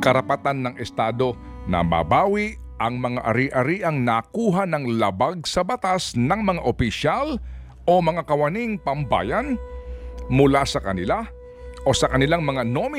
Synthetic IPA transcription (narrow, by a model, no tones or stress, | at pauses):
kɐɾɐpɐt̪anːɐŋʔɛst̪aːd̪o̞nɐ̰ma̰baːwɪʔ | ʔɐŋmɐŋaʔɐɾiʔɐɾiːʔɐŋnakuːɦanɐŋlɐbaɡ̚sɐbɐt̪asnɐŋmɐŋaʔopɪʃal | o̞mɐŋakɐwɐniŋpɐmba̰ːjɐn | mʊlasɐkɐnɪla | ʔo̞sɐkɐnɪlaŋmɐŋanomɪ